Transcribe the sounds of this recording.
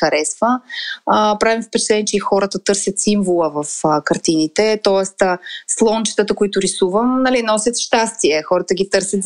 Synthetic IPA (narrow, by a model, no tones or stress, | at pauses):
əɾɛsvəəpɾavimfpɛt͡ʃɛt̪lɛnɛt͡ʃɛixɔɾət̪ət̪ɤɾsʲjət̪siɱvolˠəvəfkɐɾt̪init̪ɛt̪ɔɛst̪əslˠɔnt͡ʃi̥t̪ət̪əkoit̪ʊɾisuvəmnɐlinɔsʲjət̪ʃt̪ast̪iɛxɔɾət̪əɡit̪ɤɾsʲət̪